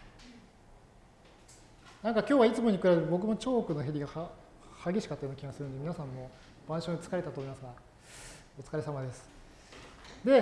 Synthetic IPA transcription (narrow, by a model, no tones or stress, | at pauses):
nãŋkakʲo̞ːβait͡sɨmo̞ɲ̟ikɯɾabeɾɯbo̞k̬ɯ̟mo̞t͡ɕo̞ːkɯ̟noɦeɾʲiɡa | haɡʲe̞ɕi̥kat̪ojonokʲiɡasɨɾɯnd̪mʲinasãmːo̞ | b̥ãɕõt͡sɨ̥kaɾe̞t̪at̪oːmimasɨɡa | o̞t͡sɨ̥kaɾesamad̪e̞sɨ̥ | d̪e̞